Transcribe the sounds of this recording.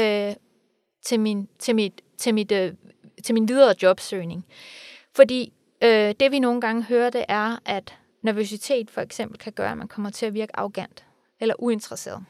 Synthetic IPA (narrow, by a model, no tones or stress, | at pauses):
ø | t͡sʰe̝mint͡sʰe̝mid̥t͡sʰe̝mid̥ | t͡sʰe̝lminʋið̞ˠɐd̥jɒ̽b̥søːne̝ŋfɒ̽d̥ḭː | ød̥e̝ʋino̝ːn̩ɡ̥ɑ̈ŋəɦøːɐd̥e̝ʔæɐʔæd̥ | næɐʋos̬it͡sʰe̝̰ːd̥fɒ̽eɡ̥sem̰b̥l̩kʰæɡ̥ɶːɐæmænkʰɒ̽m̰ɐt͡sʰe̝æʋiɐɡ̥əɑ̈oɡ̥æn̰d̥ | elɐʔue̝nt͡sʁɐse̝̰ːɐðˠ